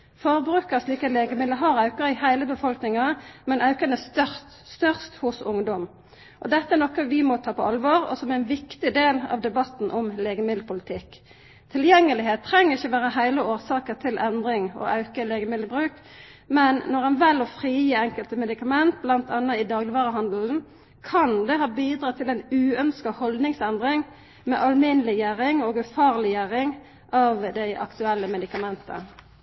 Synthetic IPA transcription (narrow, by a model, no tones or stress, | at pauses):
fɔʁbʁʉːkəʁsliːkɑt̪leːɡəmɪd̪əɦɑʁɑʉkəʁəɪhæɪləbəfɔlknɪŋɑmɛnʔɑʉkɑnəst̪œʁst̪ | st̪œʁst̪hʊsʊŋd̪ɔm | ʔɔd̪ɛt̪ːəɛnɔkːəʋɪmɔt̪ʰɑːpʰɔʔɑlʋoʁɔ̰sɔmæɛnʋɪkt̪ɪd̪eːlɑ̰ʋd̪ɛbɑt̪n̩ʔɔmleːɡəmɪd̪ləpʰʊlɪt̪ʰɪk | t̪ʰɪljɛŋːəlɪheːt̪ʰːʁɛŋːəʁɪçːəʋæːʁəɦæɪləoːʁsɑːkəʁt̪ʰɪlʔɛnd̪ʁɪŋɔ̰ʔɑʉkəleːɡəmɪd̪əbʁʉːk | mɛnːɔʁɛnʋɛlɔfʁiːjiːɛŋkəlt̪əmɛd̪ɪkɑmɛnt̪̚blɑnt̪ɑnːəɪd̪ɑːɡlɪʋɑːʁəɦɑnd̪l̩n̩ | kʰɑnd̪ɛɦɑːbiːd̪ʁɑːt̪ʰɪlɛnʉːœnskɑhɔld̪nɪŋsɛnd̪ʁɪŋ | mɛ̰ʔɑlmɪnəlɪjæʁɪŋoːɡʉfɑːʁlɪjæʁɪŋ | ʔɑːʋd̪æɪʔɑ̰kt̪ʉɛlːəmɛd̪ɪkɑmɛnt̪ə̰